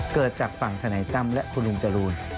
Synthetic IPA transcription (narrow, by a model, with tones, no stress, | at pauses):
kɤː˨˩t̪̚t͡ɕaː˨˩k̚fa˨˩ŋt̪ʰaː˧na˩˦jt̪a˧mlɛ˦˥ʔpʰuː˧nlu˧mt͡ɕa˧luː˧n